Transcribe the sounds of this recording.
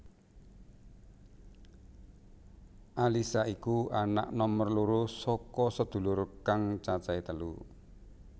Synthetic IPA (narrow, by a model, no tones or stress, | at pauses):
ʔalisaikuana̰ʔnɔmərluɾusɔkɔsəd̪̥ṳlʊrkaŋt͡ʃat͡ʃait̪əlṵ